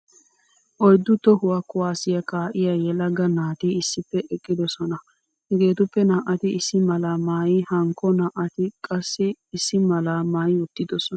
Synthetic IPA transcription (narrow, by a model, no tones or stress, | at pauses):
ʔɔjd̪ːʊt̪ɔhʊwakʊwaːsɪjɐkaːʔɪjajɛlɐɡɐnaːt̪iɪsːɪpːɛʔɛkʼːɪd̪ɔsɔnɐ | hɛɡe̞ːt̪ʊpːɛnaːʔɐt̪ɪɪsːɪmɐlɐmaːjɪhɐŋkːɔnaːʔɐt̪ɪkʼɐsːɪːsːɪmɐlamaːjɪʊt̪ːɪd̪ɔsɔnɐ